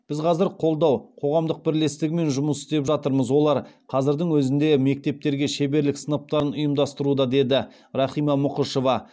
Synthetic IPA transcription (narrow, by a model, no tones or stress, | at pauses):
b̥ɪzqʰɑzɪɾqʰo̞lˠd̪ɑwqʰo̞ʁɑmd̪əq̚bɪɾle̞st̪ɪɡʲɪme̞nʒʊməsɪ̥zt̪e̞pʒɑt̪əɾməzwo̞lˠɑɾqʰɑzɪɾd̪əŋwɵzɪnd̪e̞me̞k̚t̪e̞p̚t̪e̞ɾɡʲe̞ʃe̞be̞ɾlɪksənəp̚t̪ɑɾənʊjəmd̪ɑst̪əɾud̪ɑd̪e̞d̪ɪ | ɾɑχijmɑmʊqəʃo̞vɑ